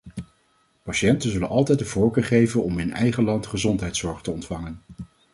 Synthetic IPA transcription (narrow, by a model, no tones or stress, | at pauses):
pɑʃɛntənzɵlənʔɑlˠtɛjtdəvɔːɹkəːɹχejvənɔmɪnɛ̰jχəlɑntχəzɔntɦɛjtsɔɹχtəɔntfɑŋən